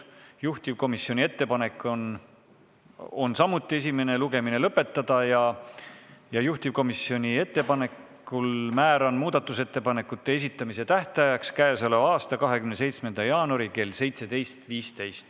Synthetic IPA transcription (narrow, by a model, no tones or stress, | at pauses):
juht̪ivko̞misjo̞nʲie̞t̪ːe̞pɑne̞kːˑon | o̞nsɑmut̪ːˑie̞s̬ime̞ne̞luɡe̞mine̞lɤpːˑe̞t̪ːˑɑd̪̥ɑjɑ | jɑjuht̪ivko̞misjo̞nʲie̞t̪ːe̞pɑne̞kː | ulmæːɾɑnmuːd̪̥ɑt̪ːˑuse̞t̪ːe̞pɑne̞kːˑut̪ːe̞e̞s̬it̪ːˑɑmise̞t̪æht̪ɑjɑkskæːsɑlevɑːst̪ɑkɑɦe̞kymnese̞jt̪sme̞nd̪̥ɑjɑːnuɑɾike̞lse̞jt̪se̞d̪e̞jst̪viːst̪e̞jst̪